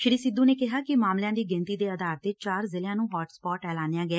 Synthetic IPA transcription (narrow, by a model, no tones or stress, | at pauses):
ʃɪɾiːsɪd̪uːneːkɪɦaːkɪmaːmljãːd̪iːɡɪnt̪iːd̪eːəd̪aːɾt̪eːt͡ʃaːɾzɪljãːnũːɦɔːʈspɔːʈɛːlaːnjaːɡɪɛː